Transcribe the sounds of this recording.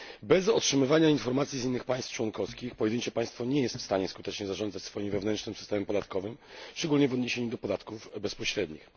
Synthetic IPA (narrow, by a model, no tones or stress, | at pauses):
bɛzɔtʂɘmɘvaɲainfɔɾmat̪sʲizinːɘxpaj̃st̪ft͡ʂwɔnkɔskʲixpɔjɛd̪ɘɲt͡ɕɛpaj̃st̪fɔɲɛjɛst̪fst̪aɲɛskut̪ɛt͡ʂɲɛzaʐɔnd̪zat͡ɕʲsfɔjimvɛvnɛnt͡ʂnɘmsɘ̥st̪ɛmɛmpɔd̪at̪kɔvɘmʂt͡ʂɛɡulɲɛvɔd̪ɲeɕeɲud̪ɔpɔd̪at̪kuvbɛspɔɕɾɛd̪ɲix